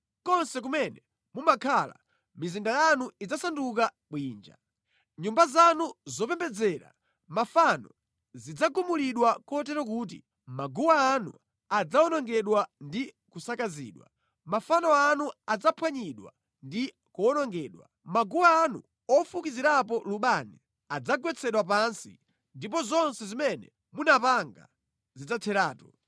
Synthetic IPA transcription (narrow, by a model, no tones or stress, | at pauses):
kɔnsɛk̬umɛnɛ | mumakʰala̰ | mizindajanuid͡zasanduk̬a | ɓwiːnd͡ʒa̰ | ɲumbazanuzɔpɛmbɛd͡zɛɾa̰ | mafanɔ | zid͡zaɡumuliɗwakɔt̬ɛɾɔk̬uːt̬ḭ | maɡuwaːnṵ | ad͡zaɔnɔŋɡɛɗwandi | kusakazḭːɗwa̰ | mafanɔanuad͡zapʰwaɲiɗwa̰ | ndi | kuɔnɔŋɡɛːɗwa | maɡuwaːnṵ | ɔfukiziɾapɔluɓani | ad͡zaɡwɛt͡sʰɛɗwap̬ansḭ | ndip̬ɔzɔnsɛzimɛnɛ | munapaŋɡa̰ | zid͡zatʰɛɾaːtɔ